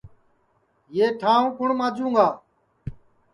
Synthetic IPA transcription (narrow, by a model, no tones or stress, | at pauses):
jeːʈʰaːõːkʊɳmãːd͡ʒũːŋɡaː